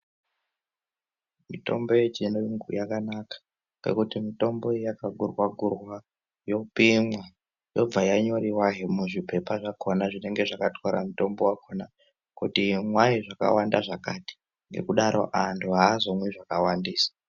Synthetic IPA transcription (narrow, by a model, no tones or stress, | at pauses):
mito̞̰mbo̞jed͡ʒinoŋɡujakanakḁ | kḛkutimito̞mbo̞jakaɡʱurwaɡʱurwa | jo̞pimwa | jo̞b͡vajaɲo̞riwaɦemuʐipe̞paʐakonaʐine̞ŋɡe̞ʐakatoɾa̰muto̞mbowakʰona | kutimwaiʐaka̰wandaʐakati̥ | ŋɡe̞̰kuɗaɾo̞̰ʔantʰuɦaːzo̞mwiʐakawandiːsḁ